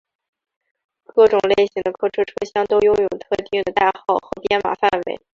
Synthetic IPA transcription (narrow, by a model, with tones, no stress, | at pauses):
kɤ˥˩ʈ͡ʂʊ˨˩ŋle˥˩ɪɕi˧˥ŋd̪ə˧kʰɤ˥ʈ͡ʂʰɤ˥ʈ͡ʂʰɤ˥ɕjɑ˥ŋt̪o˥ʊjʊ˥ŋjo˨˩ʊt̪ʰɤ˥˧t̪i˥˩ŋd̪ə˩t̪a˥˧xɑ˥˩ʊxɤ˧˥pjɛ˥nma̰˨˩fa˥˩nwḛ˧˥ɪ